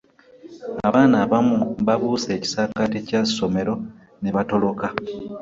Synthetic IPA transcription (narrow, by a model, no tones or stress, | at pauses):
aβaːnaːβamuβaβuːse̞ːci̥saːkaticḁso̞me̞ɾo̞ | neβato̞lo̞ka